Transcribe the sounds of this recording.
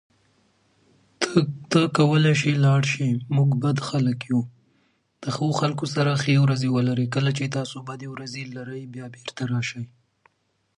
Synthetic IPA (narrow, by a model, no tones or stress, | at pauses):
t̪əkawəlajʃilɑɽʃimuɡbad̪xaləkju | d̪̥əxəwoxalkos̬aɾaxewɾazewəlaɾəkəlat͡ʃet̪ɑsobad̪ewɾazelaɾəjbjɑbeɾt̪aɾɑʃaj